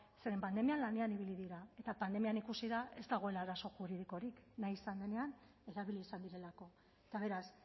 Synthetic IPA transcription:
se̞ɾe̞mpand̪e̞mianlane̞aniβ̞iliðiɾae̞t̪apand̪e̞mianikusiðaʔe̞zd̪aɣ̞o̞e̞laːɾaso̞xuɾiðiko̞ɾiknajisand̪e̞ne̞an | e̞ɾaβiliːsand̪iɾe̞lako̞ | et̪aβ̞e̞ɾas

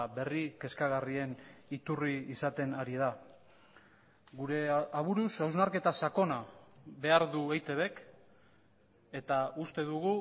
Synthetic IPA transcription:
be̞rike̞skaɣarie̞nit̪uriːsat̪e̞naɾið̞a | ɣuɾe̞aβuɾusawznaɾke̞t̪asako̞naβe̞aɾðuejt̪e̞βe̞k | e̞t̪aust̪e̞ðuɣu

